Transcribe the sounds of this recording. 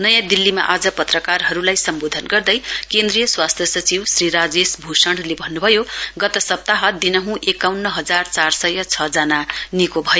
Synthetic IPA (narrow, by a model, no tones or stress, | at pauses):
nʌjãd̪ilːima̰ʔad͡zʌpʌt̪rʌkarɦʌɾulajsʌmbod̪ʱʌnɡʌrd̪ʌjkend̪rijʌswast̪ʰjʌsʌt͡siwsriɾad͡zesbʱusʌɳɽlebʱʌnːubʱʌjoɡʌt̪ʌsʌp̚t̪aɦʌd̪inʌɦũʔekawnːʌɦʌd͡zart͡sarsʌjʌt͡sʰʌd͡zananikobʱʌjo